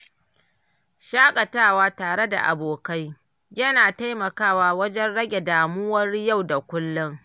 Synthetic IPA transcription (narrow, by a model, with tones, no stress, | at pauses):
ʃaː˦kʼɐ˨taː˦˨waː˦taː˨ɽe˦da̰˨ʔa̰˨boː˨ka˦j | jɐ˦naː˨ta˦jmɐ˨kaː˦˨waː˨wɐ˦d͡ʒɛ˦nɽɐ˦ɡʲe˨daː˨mʊ˦wɐ˦rja˦˨wda˨kʷʊ˦lːʊ˦ŋ